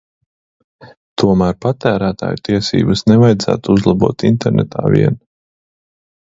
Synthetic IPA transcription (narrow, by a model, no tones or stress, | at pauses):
t̪ʰuɔmæːɾpat̪æːɾæːt̪a̰ːjt̪iɛsḭːbɐsnɛvajd̪zæ̰ːt̪uuzlˠabṵɔːt̪int̪ɛɾnɛ̰t̪ʰa̰ːvḭɛn